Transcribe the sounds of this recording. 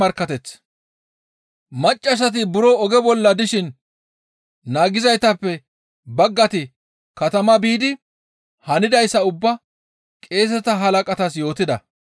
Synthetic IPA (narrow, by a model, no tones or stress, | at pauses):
ɐɾkːɐt̪ɛt͡s | mɐt͡ʃʼːɐs̬ɐt̪̬ɪbʊɾɔɔɡɛbɔlːɐd̪ɪʃɪn | naːɡɪzɐjt̪ɐpːɛ | bɐɡːɐt̪ɪ | kɐt̪ɐmɐbiːd̪ɪ | hɐnɪd̪ɐjsːɐʊbːɐ | kʼe̞ːs̬ɛt̪ɐɦɐlɐkʼɐt̪ɐs̬jo̞ːt̪ɪd̪ɐ̰